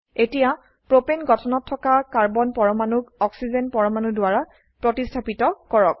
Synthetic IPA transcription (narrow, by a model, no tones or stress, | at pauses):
etija | pɹopenɡɔtʰɔnɔtʰːɔkakaɹbɔnpɔɹɔmanukɔksizenpɔɹɔmanudwaɹa | pɹotistʰapitɔkɔɹɔk̚